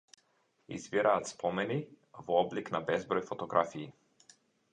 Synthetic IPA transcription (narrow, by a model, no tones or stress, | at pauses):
ḭzviɾaːt̪spɔmɛni | vɔɔbliknabɛzbɾɔjfɔt̪ɔɡɾafiː